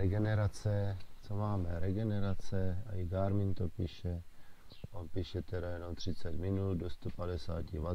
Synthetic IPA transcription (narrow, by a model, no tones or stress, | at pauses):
ɛɡɛnɛɾat͡sɛt͡somaːmɛɾɛɡɛnɛɾat͡sɛa̰iɡaːɾmɪnt̪opiːʃɛ | ʔonpiːʃɛt̪ɛɾajɛno̞mt̪r̥ɪt͡sɛt̪mɪnuldost̪opadɛsa̰ːcɪva